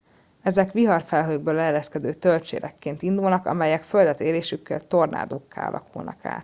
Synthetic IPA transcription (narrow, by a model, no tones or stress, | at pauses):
ɛzɛkʋiɦɒrfɛlɦøːɡ̚bøːlɛːlɛskɛd̪øːt̪ølt͡ʃḛːɾʔɛkːeːnt̪ind̪ulnɒkɒ̰mɛjɛkføld̪ɛt̪eːleːʃykːɛ̰lt̪o̞rna̰ːd̪oːkːa̰ːɒ̰lʔɒ̰kulnɒ̰ka̰ː